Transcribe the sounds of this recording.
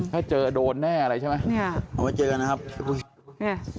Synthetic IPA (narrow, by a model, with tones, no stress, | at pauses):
kʰaː˥˩t͡ɕɤː˧doː˧nːɛː˥˩ʔa˧ɾa˧jt͡ɕʰa˥˩ma˦˥ja˨˩wa˦˥˩t͡ɕɤː˧ka˧nːa˦˥kʰa˦˥p̚pʰu˧˥˩